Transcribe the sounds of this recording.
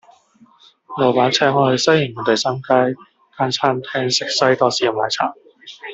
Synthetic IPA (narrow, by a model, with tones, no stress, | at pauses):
lo˨˩wpaː˨˥nt͡sʰɛː˨˥ŋɔː˧hɵ˧sɐ˥jɪ˨˩ŋːɔː˨˩t̪e˨jsaː˥mkaː˥j | kaː˧˥nt͡sʰaː˥nt̪ʰɛː˥ŋsɪ˨k̚sɐ˥jt̪ɔː˧siː˨˩ɐ˨˩maː˨˧˩jt͡sʰa̰ː˨˩ŋ